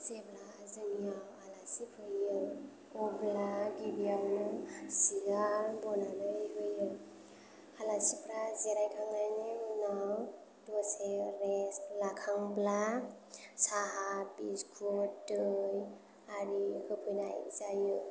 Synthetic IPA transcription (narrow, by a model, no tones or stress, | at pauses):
zebla | zɯniawalasipʰɯjɯ | ɔblaɡibiajɯsiɡaɾbɔnanɯjɦɯjɯ | halasipʰɾazeɾajkʰaŋnajnenaw | dɔseɾeslakʰaŋbla | saɦabiskʰudɯj | aɾihʰɯpʰɯjnaj̰zajɯ